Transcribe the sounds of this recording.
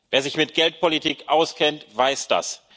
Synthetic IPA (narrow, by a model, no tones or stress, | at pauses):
veːɐzɪçmɪt̚ɡ̥ɛlt̚pʰolitiːkʔaʊskʰɛntv̥aɪsd̥a̰s